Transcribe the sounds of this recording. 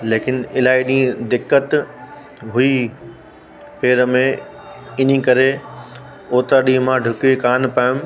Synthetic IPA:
leːkɪnɪlaːiɗĩːd̪ɪkːət̪ | ɦʊi | peːɾəmẽ | ɪn̤ikɐɾe | oːt̪aɗĩːmãɖʱʊkekaːnpaːjʊ̃m

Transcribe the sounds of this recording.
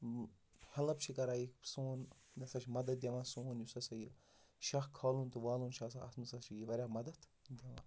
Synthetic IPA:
hɐlɐp̚t͡ʃʰikɐɾaːjiksoːn | nɐsɐt͡ʃʰimɐd̪ɐt̪̚d̪ʲeʋansoːnjusɐsɐji | ʃɐxkʰːaːlunt̪ɨʋaːluːnʃasaɐ̰smɨsɐt͡ʃʰijiʋɐɾʲaːmɐd̪ɐt̪ | d̪ʲɐʋa

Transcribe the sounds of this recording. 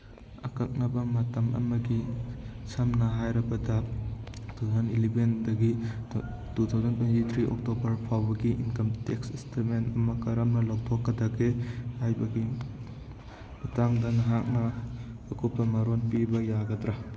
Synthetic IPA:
ɐ̰kɐk̚nɐbɐmɐtɐmʔɐ̰mɐɡisʰɐmnɐɦajɾɐbɐdɐ | t̪ʰazɐnilebendɐɡi | tut̪ʰawzɐntuentit̪ʰɾiʔo̰k̚tobɐɾpʰawbɐɡiʔinkɐmteksistʰementɐmɐkɐɾɐmnɐlaw̚tʰokːɐdɐɡehajbɐɡi | mɐtaŋdɐnɐɦak̚nɐːkʰupːɐmaɾonpibɐjaɡɐtɾa

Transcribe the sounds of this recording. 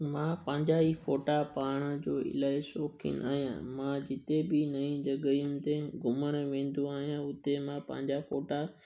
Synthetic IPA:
mãːpɐ̃ɦɲd͡ʑaifoːʈapaːɽ̃d͡ʑoːɪ̰laːɪsoːkʰɪ̰na̰ːɦijã̰mãd͡ʑɪt̪ebɪnɐĩd͡ʑɐɠəjʊ̃mɪ̆t̪eɡʊməñʋẽːn̆d̪ũaːɦijãʊt̪emãpɐ̰̃ɦɪ̃ɲd͡ʑafoːʈa

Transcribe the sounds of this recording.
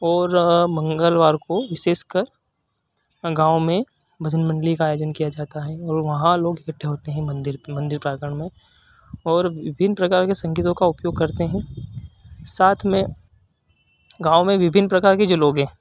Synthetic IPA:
ɔːɾmɐ̃ŋɡəlʋaːɾkoʋɪʃeːʃkɐɾ | ɡãːʊmẽ | bɐd̪ʱənmɐ̃ɳɖlikaːjoːd͡ʒənkijad͡ʒaːt̪aɦɛɔːɾʋɐɦãloːɡɪkəʈʰːeɦoːt̪eɦɛ̃mɐ̃nd̪ɪɾmɐ̃nd̪ɪɾpɾaːɡəɳ̃mẽ | ɔːɾʋɪbʱɪnːpɾɐkaːɾkesɐ̃ŋɡit̪õkaʊpjoːɡ̚kɐɾt̪eɦɛ̃ | saːt̪ʰmẽ | ɡaːʊmẽʋɪbʱɪnːpɾɐkaːɾked͡ʒoːloːɡɦɛ̃ː

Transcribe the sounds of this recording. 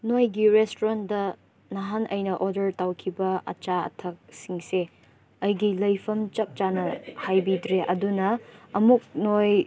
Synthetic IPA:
nojɡiɾestoɾandɐ | naɦanʔɐjnɐʔodɐɾtawkʰibɐɐ̰t͡ʃaɐ̰tʰɐk̚siŋse | ɐjɡilɐjpʰɐmt͡ʃɐp̚t͡ʃanɐhajbidɾeʔɐdunɐɐmuk̚noj

